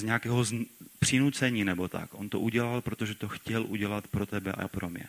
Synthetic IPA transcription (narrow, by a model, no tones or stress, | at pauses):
zɲɛakɛːɦozpr̝̥ɪnut͡sɛɲiːnɛbo̞t̪a̰kʔo̞nt̪oʔuɟɛlalpɾo̞t̪o̞ʒɛt̪oxcɛlʔuɟɛlat̪pɾo̞t̪ɛbɛʔa̰pɾomɲɛ̰